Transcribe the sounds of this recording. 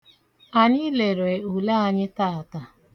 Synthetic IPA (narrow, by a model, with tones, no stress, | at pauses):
a˨ɲi˦le˨ɾe˨u˨la˦a˨ɲɪ˦ta˦a˨ta˦